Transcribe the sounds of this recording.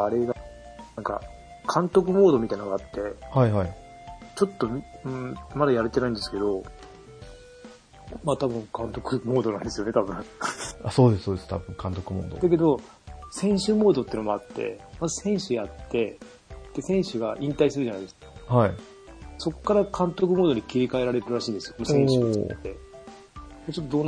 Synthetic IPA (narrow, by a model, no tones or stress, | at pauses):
aɾe̞ɡanãŋka̰ | kʰãnt̪o̞kɯ̟mo̞ːd̪o̞mʲit̪ainoɡaat̪ːe̞haiɦai | t͡ɕo̞t̪ːo̞mʲɯ̃mad̪ajaɾet̪e̞naĩnd̪sɨ̥ke̞d̪o̞ | mat̪abɯ̟̃ŋkãnt̪o̞kɯ̟mo̞ːd̪o̞nãnd̪esɨjo̞e̞t̪abɯ̟̃aso̞ːd̪essoːd̪est̪a̰bɯ̟̃ŋkʰãnt̪o̞kɯ̟mo̰ːd̪od̪ake̞d̪o̞ | sẽ̞ɰ̃ɕɨmo̞ːd̪o̞t̪ːeiɯnomo̞at̪ːe̞̰mazɨsẽ̞ɰ̃ɕɨjat̪ːe̞ | d̪̥e̞sẽ̞ɰ̃ɕɨɡaʔĩnt̪aisɨɾɯʑanaid̪esɨ̥kḁhai | so̞kːaɾakʰãnt̪o̞k̬ɯ̟moːd̪o̞ɲ̟ikʲiɾʲikae̞ɾaɾe̞ɾɯɾɯ̟ɾaɕĩːnd̪esɨjomosẽɕt̪ːe̞ | et͡ɕot̪ːod̪on